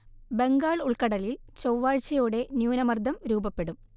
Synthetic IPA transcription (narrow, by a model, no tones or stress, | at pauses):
be̞ŋɡaːɭuɭkɐɽɐlilt͡ɕowʋaːɻt͡ɕɐjoːɽe̞njuːnɐmɐrd̪ʱɐmɾuːbɐpːe̞ɽum